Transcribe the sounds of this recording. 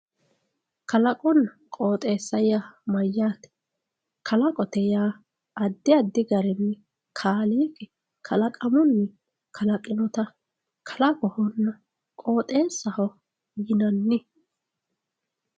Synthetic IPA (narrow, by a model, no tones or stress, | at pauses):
kʰɐlɐkʼɔnːɐ | kʼo̞ːt̪ʼe̞ːsːɐjamɐjːaːt̪ɛ̥ | kʰɐlɐkʼɔt̪ɛjaː | ɐd̪ːɪɐd̪ːɪɡɐɾɛnːɛ | kʰaːliːɡɛ | kʰɐlɐkʼɐmɔnːɛ | kʰɐlɐkʼɪnɔt̪ɐ | kʰɐ̥lɐkʼɔhɔnːɐ | kʼo̞ːt̪ʼe̞ːsːɐhɔ | jɪnɐnːɪ